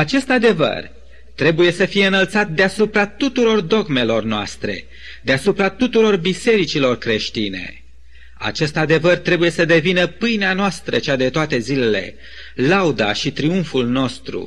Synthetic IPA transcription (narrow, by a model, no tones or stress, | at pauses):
at͡ʃe̞st̪ad̪e̞və̰r | t̪ɾe̞buje̞səfije̞ɨnəlt̪sat̪̚d̪easupɾat̪ut̪uɾo̞rd̪o̞ɡme̞lo̞rnoa̰st̪ɾe̞̰ | d̪easupɾat̪ut̪uɾo̞rbise̞ɾit͡ʃilo̞rkɾe̞ʃt̪ine̞̰ | a̰t͡ʃe̞st̪ad̪e̞vərt̪ɾe̞buje̞səd̪e̞vinəpɨjneanoast̪ɾət͡ʃad̪e̞t̪oat̪e̞zile̞le̞̰ | lawd̪a̰ʃit̪ɾiuɱfulno̞st̪ɾṵ